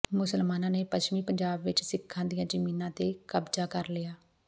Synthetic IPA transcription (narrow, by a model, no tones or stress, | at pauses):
mʊsəlmaːnãːneːpət͡ʃmiːpəɲd͡ʒaːbʋɪt͡ʃsɪkʰːãːd̪ijãːd͡ʒəmiːnãːt̪eːkəbd͡ʒaːkəɾlɪjaː